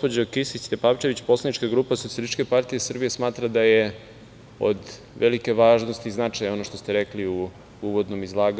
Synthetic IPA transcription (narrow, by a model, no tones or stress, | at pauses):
pod͡ʑokisit͡ɕt̪epaːʋt͡ʃeʋit͡ɕpo̞slanit͡ʃkaɡɾuːpasot̪sialit͡ʃkepaɾt̪ije̞sr̩bije̞smaːt̪ɾad̪aje | o̰d̪ | ʋʔelike̞ʋaːʒnost̪iznat͡ʂajo̞no̞ʃt̪o̞st̪eɾekliu | uʋo̞d̪no̞mizlˠaːɡ